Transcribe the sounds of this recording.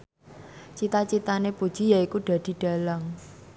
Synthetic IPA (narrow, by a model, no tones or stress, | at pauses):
t͡ʃit̪at͡ʃit̪anepud̥ʒ̥i̤jaikuɖ̥a̤d̪̥i̤ɖ̥a̤laŋ